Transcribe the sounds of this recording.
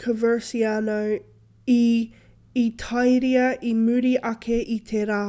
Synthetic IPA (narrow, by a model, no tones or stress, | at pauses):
kʰəvə˞sianow | i | it̪ʰɐjɾiɐʔimʉɾiʔɐkʰeʔit̪ʰeɾaː